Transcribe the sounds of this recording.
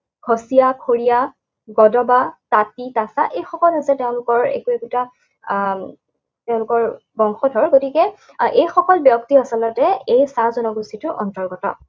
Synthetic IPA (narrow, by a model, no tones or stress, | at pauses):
ɡʰʱosijakʰoɹija | ɡɔdɔbatatitasaʔejxɔkɔlɦosɛteʊ̃lʊkɔɹḛkuekuta | teʊ̃lʊkɔɹ | bɔŋxɔdʱɔɹɡotikɛ | ʔejxɔkɔlbjɔktiɔsɔlɔtɛejsazɔnɔɡusitʊʔɔ̰ntɔɹɡɔtɔ̰